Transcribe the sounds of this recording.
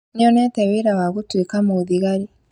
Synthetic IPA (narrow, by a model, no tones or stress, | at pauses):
nioneːteβiːɾawaɣutwikamuðiɣaɾi